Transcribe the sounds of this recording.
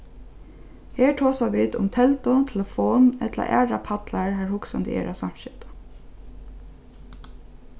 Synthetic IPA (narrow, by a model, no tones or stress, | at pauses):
heːɹʈʰoːsaʋiːd̪ʊ̰mt̪ʰɛlt̪ʊt̪ʰɛləfoːnɛt̪la̰ʔæ̰ːɹapʰat̪laɹɦæɹhʊksand̪ɪ̰ʔɛ̰ːɹʔaʋsam̥ʃɪt̪ə̥